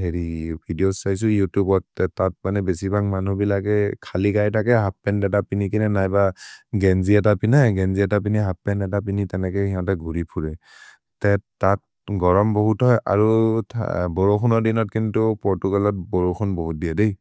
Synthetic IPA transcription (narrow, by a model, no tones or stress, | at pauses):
ɦeɹibʱidiosajs̬ʊjutjubɔtɛtat̚manɛbesibʱaŋmanubilakɛkʰalikajtʰakɛɦap̚ːɛndɛtapinikinɛnajbaɡɛnziɛtapinajɡɛnziɛtap̬iniɦap̚ːɛnɛtapinitɛnɛkɛhiɔ̃ntɛɡʱuɹipʰuɹɛ | tɛtːat̚ | ɡɔɹɔmbɔɦutɦɔjʔa̰ɹṵ | bɔɹoxʰɔnɔɹdinɔt̚kintupɔɹtuɡalɔt̚bɔɹoxʰɔnboɦut̚diadej